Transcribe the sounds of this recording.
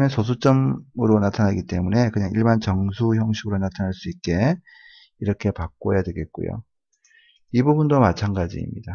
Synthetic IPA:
mensʰos̬ʰut͡ɕ͈ʌmɯɾonatʰanaɡit͈e̞mune̞kɯɲaŋiɭbant͡ɕʌŋsʰuçjʌŋɕʰiɡɯɾonatʰanaɭs͈uit̚k͈e̞ | iɾʌkʰe̞pak͈ojadwe̞ɡe̞t̚k͈ṵjo̰ | ibubundomat͡ɕʰanɡad͡ʑḭːmɲida

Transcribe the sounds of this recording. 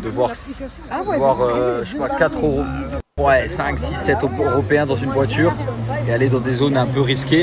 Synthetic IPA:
d̪əvwaʁ | vwaʁøʒepwakat̪χøʁowɛsɛ̃ksisɛt̪øʁɔpeɛ̃d̪ɑ̃zynvwat̪yːʁealed̪ɑ̃d̪ezonɛ̃pøʁiskʲe

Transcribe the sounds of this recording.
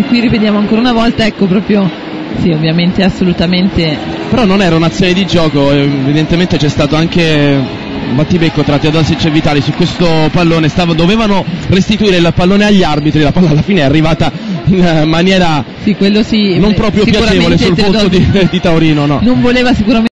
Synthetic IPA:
kːwiriped̪jaːmoaŋkoːɾaunavɔlt̪aɛkːopɾɔːpɾjo | siovjament̪easːolut̪ament̪epeɾɔnːonɛːɾaunat̪sːjoːned̪id͡ʒɔːkoeevid̪ent̪ement̪et͡ʃɛst̪aːt̪oaŋke | bat̪ːibekːot̪ɾat̪ːiad̪alsit͡ʃevːit̪aːlisukːwest̪opalːoːnest̪aːvad̪oveːvanorest̪it̪uiːɾeilpalːoːneaʎːiarbit̪ɾilapalːalːafiːneɛarːivaːt̪ainmanjɛːɾa | sikːwelːosinompɾɔːpɾjoipjaut͡ʃɾt͡ʃeːvolesultood̪id̪it̪aoɾiːnonɔnoɱvoleːvasikuɾam

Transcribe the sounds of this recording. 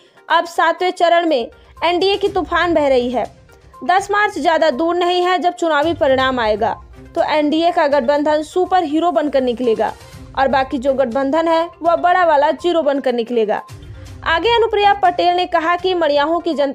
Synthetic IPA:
ɐbsaːt̪ʰwet͡ʃɐɾəɽ̃mẽ | ɛːɳɖiekit̪ʊpʰaːnbɛɦɾɐɦiɦɛː | d̪ɐsmaːɾt͡ʃzjaːd̪ad̪uːɾnɐɦĩɦɛd͡ʒɐb̚t͡ʃʊnaːʋipɐɾɪɽ̃aːmaːeːɡa̰ː | t̪oːʔɛːɳɖiekaɡɐʈ̚ʰbə̃nd̪ʱənsuːpəɾɦiːɾobɐ̃nd̪̚kəɾnɪkleːɡa̰ː | ɔːɾbaːkid͡ʒoːɡɐʈ̚ʰbə̃nd̪ʱənɦɛʋɐbɐɽaʋaːlad͡ʒiːɾobɐ̃nd̪̚kəɾnɪkleːɡa̰ːa̰ːɡeɐnʊpɾijapɐʈeːlnekɐɦakimɐɽ̃ɪjaːɦõkid͡ʒɐ̃nt̪

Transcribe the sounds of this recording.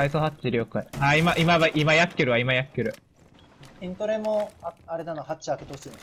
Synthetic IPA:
aikohat͡ɕːiɾʲiokːaiaimaʔimaβaʔimajakʲːɯɾɯ̟βaimajakʲːɯɾɯ̟ | ĩnt̪oɾemõaaɾe̞d̪anohat͡ɕiake̞t̪osɨ

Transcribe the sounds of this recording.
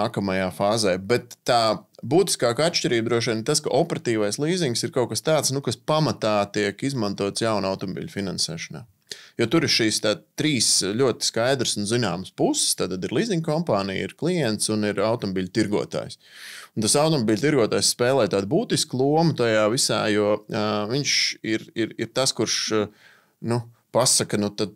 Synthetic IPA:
kɐmɐjaːfaːzɛjbɛt̪ːaːbuːt̪i̥skaːkaat̪ʃt͡ʃʲiɾiːb̚d̪ɾuɔʃ̬iɛnɪɾt̪askɐ̰ʔɔpɛɾat̪iːʋajslˠiːziŋksiɾkawkast̪aːt̪snukaspamat̪aːt̪iɛkizmãnt̪uɔt̪sjawnawt̪ɔmɔbḭlʲfinansɛ̰ːʃɐna̰ː | jɔt̪uɾɪʃiːst̪aːt̪ːɾiːsʎʲuɔt̪i̥skajd̪ɾəsʊnzinaːməspusɪ̥st̪aːt̪ad̪iɾlˠiːziŋɡkɔmpaːnḭjḭɾklˠijɛnt̪sʊniɾawt̪ɔmɔbiːlʲt̪iɾɡuɔt̪a̰ːjs | ʊnt̪asawt̪ɔmɔbiːlʲt̪iɾɡuɔt̪aːjssːpɛːlˠɛːt̪aːd̪̚buːt̪isklˠuɔmut̪ajaːʋisa̰ːjuɔviɲʃiɾiɾiɾt̪askuɾʃ | nu | pasɐkənut̪ad̪̚

